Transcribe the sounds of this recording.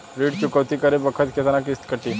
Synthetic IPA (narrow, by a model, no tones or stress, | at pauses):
ɾiːɖt͡ɕukəʋt̪ikəɾebəkʰət̪kʰet̪anakist̪kəʈi